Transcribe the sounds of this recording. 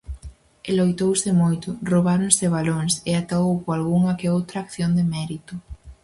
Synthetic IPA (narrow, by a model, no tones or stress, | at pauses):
ɪlojt̪owsɪmojt̪ʊroβaɾoŋseβ̞aloŋsɪat̪aowkwalɣuŋɐkeowt̪ɾaːkθjond̪emɛɾit̪ʊ